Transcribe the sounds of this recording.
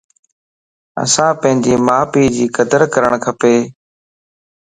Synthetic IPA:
ə̰sãːpə̃ɦɪ̃ɲd͡ʑiːmaːpiːd͡ʑiːkəd̪əɾkəɾəɳkʰəpeː

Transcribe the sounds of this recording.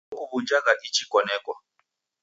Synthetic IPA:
ʔuβud͡ʒakaʔit͡ʃʰikɔnɛːkwa̰

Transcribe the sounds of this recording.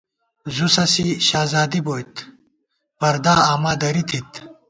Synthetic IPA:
zusɐsiɕaːzaːd̪iboːjt̪ | pɐɾd̪aːaːmaːd̪ɐɾit̪ʰit̪

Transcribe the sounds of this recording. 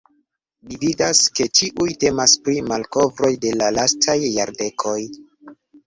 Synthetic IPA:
lividaske̞t͡ʃiʔujte̞maspɾimalko̞vɾo̞jde̞lalastʰajːaɾde̞kʰo̞j

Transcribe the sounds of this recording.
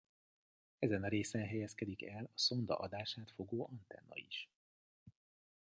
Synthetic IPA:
ɛzɛnɾeːsɛnɦɛjɛskɛd̪ikɛlɒso̞nd̪ɒ̰ʔɒd̪aːʃaːt̪fo̞ɡoːʔɒnt̪ɛ̰nːɒ̰ḭʃ

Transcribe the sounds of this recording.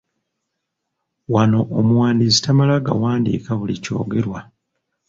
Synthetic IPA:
wano̞ʔːmuwaːndisi̥tamalaɡa̰waːndḭːkaβulico̞̰ːɡe̞ɾwa

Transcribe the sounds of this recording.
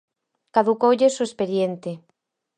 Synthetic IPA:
kaðukowʎesoespeðjent̪ɪ

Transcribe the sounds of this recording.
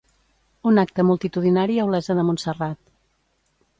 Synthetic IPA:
unak̚t̪əmulˠt̪it̪uðinaɾiəwlɛzəðəmunsərat̪

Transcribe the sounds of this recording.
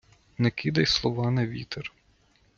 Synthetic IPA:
nɛkʲid̪ɐjslˠɔʋɑnɛʋʲit̪ɛr

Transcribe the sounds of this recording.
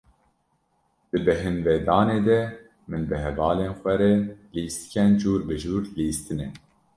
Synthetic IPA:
d̪̥ɨbɛɦɨnveːd̪ɑːneːd̪ɛ | mɨnbɨɦɛvɑːleːnxʷɛɾɛliːst̪kʲɛnd͡ʒuːɾbɨʒuːɾliːst̪ɨnɛ

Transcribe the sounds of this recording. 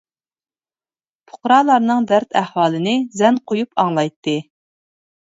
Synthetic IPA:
pʰʊ̥qɾɑːlˠɑɾnɨŋd̪æɾt̪ʰæhwɑːlˠɨnɨzɛnqʰojupʰɑŋlˠɑjt̪ʰːɨ

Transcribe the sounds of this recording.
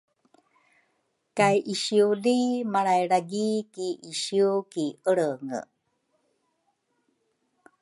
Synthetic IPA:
kajʔiɕiulimaɾajɾaɡikiʔiɕiukiʔəɽəŋə̰

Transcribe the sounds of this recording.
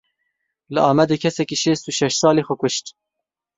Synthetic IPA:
lɨɑːmɛd̪eːkʰɛsɛkiːʃeːst̪uʃɛʃsɑːleːxʷʊkʷʊʃt̪

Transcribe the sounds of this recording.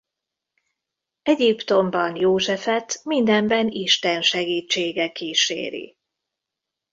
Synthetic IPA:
ɛɟipt̪o̞mbɒnjoːʒɛfɛt̪mind̪ɛmbɛniʃt̪ɛnʃɛɡiːt͡ʃːeːɡɛkiːʃḛːɾḭ

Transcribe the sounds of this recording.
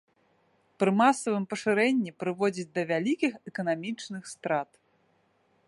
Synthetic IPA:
pɾɨmasɐvɨmpɐʂɨɾɛnʲːipɾɨvɔd͡zʲid͡zʲd̪ɐvʲalʲikʲixɛkɐnamʲit͡ʂnɨxst̪ɾat̪

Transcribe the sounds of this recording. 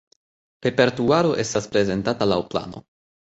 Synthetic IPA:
pe̞peɾtuaɾo̞ʔe̞staspɾe̞ze̞ntatalawpla̰no̞̰

